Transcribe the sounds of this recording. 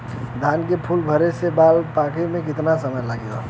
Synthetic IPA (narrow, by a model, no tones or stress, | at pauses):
d̪ʱaːnkepʰulbʱəɾesebalpakʰemẽkɪt̪nasəməjlaɡeo̰